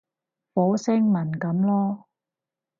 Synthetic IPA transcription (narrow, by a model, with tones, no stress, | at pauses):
fɔː˨˥wsɪ˥ŋmɐ˨˩nkɐ˨˥mlɔː˥